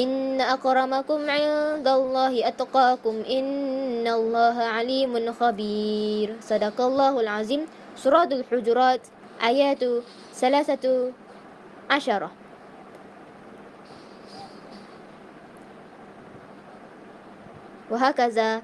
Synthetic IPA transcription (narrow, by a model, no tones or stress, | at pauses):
ʔɪnːaʔɑqɾˤɑmakʊmʕɪd̪alˤːɑːhɪʔat̪qɑːkʊmʔɪnːalˤːɑːɦaʕaliːmnxabiːɾsˤɑd̪ɑqɑlˤːɑːhalʕaziːm | sˤʊɾˤɑːt̪alħʊd͡ʒɾˤɑːt̪ | ʔaːjaːt̪ | θalaːθa | ʕaʃɑɾˤɑ | waɦaːkaðaː